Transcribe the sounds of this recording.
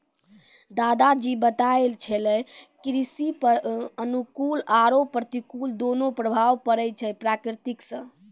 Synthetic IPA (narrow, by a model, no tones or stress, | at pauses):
d̪ad̪ad͡ʒibət̪aelt͡ʃʰɛlɛkɾisipəənukulaɾopːɾət̪ikuld̪onopɾəbʱaʋpəɾəjt͡ʃʰɛpɾakɾit̪iksə̃